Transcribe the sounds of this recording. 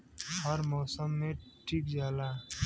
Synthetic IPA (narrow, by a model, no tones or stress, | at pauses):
həɾmɔːsəmːẽʈʰiːkd͡ʒaːlaː